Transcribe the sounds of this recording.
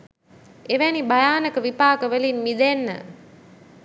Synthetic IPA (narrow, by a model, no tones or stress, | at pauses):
eʋænibajaːnəkəʋipaːkəʋəlinmid̪enːə̰